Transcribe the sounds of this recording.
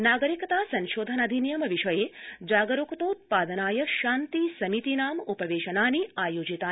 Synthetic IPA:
naːɡəɾikɐt̪asɐ̃nʃoːd̪ʱənɐd̪ʱinjɐmɐʋiʃɐjed͡ʒaːɡəɾukt̪out̪̚paːd̪ənaːjəʃaːnt̪isɐmit̪inaːmupɐʋeːʃɐnaːniaːjoːd͡ʒit̪aː

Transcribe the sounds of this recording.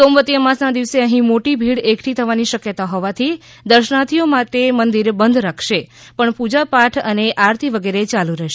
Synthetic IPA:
somʋət̪ijəmãsnãd̪iʋseəɦĩmoʈibʱiɽekʰʈʰit̪ʰəʋaniʃəkjət̪aɦɔʋat̪ʰi | d̪əɾʃnat̪ʰiomãt̪emənd̪iɾbənd̪ʱɾakʰʃepəɳpud͡ʒapaʈʰəneʔaɾt̪ʰiʋəɡeɾet͡ʃaluɾɛɦʃe

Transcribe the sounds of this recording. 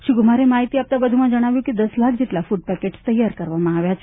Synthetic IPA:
ʃiɡumaɾemaɦit̪iap̚t̪abəd̪ʱumãd͡ʒəɽ̃aʋjũkid̪əslakʰd͡ʑiʈlafuʈ̚pɛkeʈst̪əjaɾkəɾʋamãaʋjat͡ʃʰe

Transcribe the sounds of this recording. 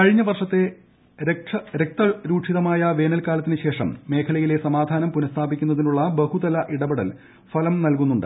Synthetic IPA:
kɐɻiɲːɐʋɐrʂɐt̪ːe̞ | ɾeʂɐɾek̚t̪ɐɾuːʈʂiðɐmaːjɐʋe̞ːnɐlkaːlɐt̪ːinɨɕe̞ːʂɐmːe̞ːkʰɐlɐjile̞sɐmaːd̪ʱaːnɐmpunɐst̪ʰaːbikʲːunːɐðinuɭːɐbehud̪ɐlɐʔiɽɐbɐɽɐl | fɐlɐmnɐlkunːuɳɖɨ̰

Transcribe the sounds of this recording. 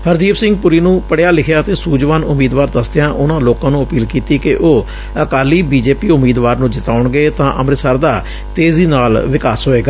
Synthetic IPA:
həɾd̪iːpsɪ̃ŋɡ̚pʊɾiːnũːpəɽjaːlɪkʰjaːt̪eːsuːd͡ʒʋaːnʊmiːd̪ʋaːɾd̪əsd̪ɪjãːʔʊnãːloːkãːnũːəpiːlkiːt̪iːkɪʔoː | əkaːliːbiːd͡ʒeːpiːʊmiːd̪ʋaːɾnũːd͡ʒɪt̪aːʊɳɡeːt̪ãːʔəmɾsəɾd̪aː | t̪eːziːnaːlʋɪkaːsɦoːeːɡaː

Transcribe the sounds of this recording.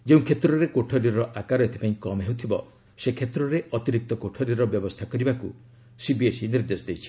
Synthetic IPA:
d͡ʒeũkʰet̪ɾɔɾekoʈʰɔɾiɾɔʔakaɾɔet̪ʰi̥pãĩkɔmɦewt̪ʰibɔ | sekʰet̪ɾɔɾeɔt̪iɾik̚t̪ɔkoʈʰɔɾiɾɔbjɔbɔst̪ʰakɔɾibaku | sibiesiniɾd̪esɔd̪ejt͡ʃʰi̥

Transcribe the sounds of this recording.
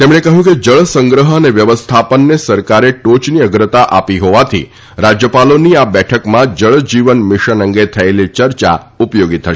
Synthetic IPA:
t̪emɳekəɦjũked͡ʒəɭəsəŋɡɾəɦəəneʋjəʋəst̪ʰapənːesəɾkaɾeʈot͡ʃniəɡɾət̪aʔapiɦoʋat̪ʰḭ | ɾad͡ʒjəpaloniabɛʈʰəkmãd͡ʒəɭd͡ʒiʋənmɪʃənəŋɡet̪ʰəelit͡ʃəɾt͡ʃa̰ | upjoɡit̪ʰːəʃ

